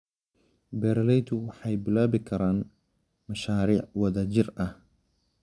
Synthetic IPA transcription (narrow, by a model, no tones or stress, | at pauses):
bɛːɾlɛjt̪ʰʊwɑħɑjbɪlaːβɪkʰɐɾaːn | mɐʃaːɾiːʕwɐðɐt͡ʃɪrɐh